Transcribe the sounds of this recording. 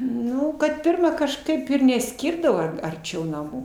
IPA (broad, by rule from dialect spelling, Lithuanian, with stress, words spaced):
ˈnʊ kɐt ˈpʲɪrmɐ kɐʃˈkɐɪp ɪr nʲɛˈsʲkʲɪrdɐʋoː ɐrʲˈt͡ʃʲɛʊ nɐˈmuː